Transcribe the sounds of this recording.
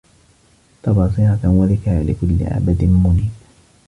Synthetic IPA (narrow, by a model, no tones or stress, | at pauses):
t̪ɑbɑːsˤiʕawaðɪkaʕalɪ̰kʊlːɪ̰ʕa̰bad̪ɪnmʊniː